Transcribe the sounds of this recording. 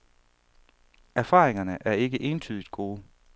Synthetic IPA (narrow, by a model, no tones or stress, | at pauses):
æɐfɑ̰̈ːʁeŋɐnəʔæɐe̝ɡ̥əʔe̝ːnt͡sʰyːðˠid̥̚ɡ̥o̝ː